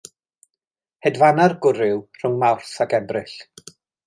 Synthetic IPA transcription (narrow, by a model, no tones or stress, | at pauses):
hɛdvanarɡʊɾɪwr̥ʊŋmawrθakɛbrɪɬ